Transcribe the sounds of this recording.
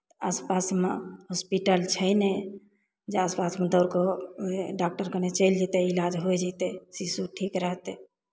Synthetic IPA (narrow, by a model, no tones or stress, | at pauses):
aspasmeɦospiʈəlt͡ʃʰəjne | d͡ʒeaspasmed̪əɾko | ɖak̚ʈəɾkənet͡ʃəjld͡ʒit̪ɛilad͡ʒɦojd͡ʒit̪esisuʈʰikɾəɦt̪e